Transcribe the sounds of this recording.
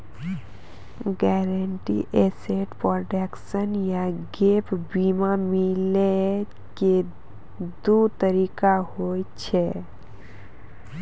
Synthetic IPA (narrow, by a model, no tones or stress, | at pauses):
ɡɛːɾəɳʈḭʔɛseʈpɾoɖeksənjaɡepbimamile | ke | d̪ut̪əɾikaɦot͡ʃʰɛ